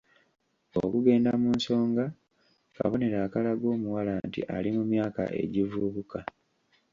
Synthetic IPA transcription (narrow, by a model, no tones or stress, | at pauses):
o̰kuɡe̞ːndamuːnso̞ːŋɡa | ka̰βo̞ne̞ɾaːkalaɡo̞ːmuwalaːntḭʔalimumjaːka̰ʔe̞̰ɟivuβuka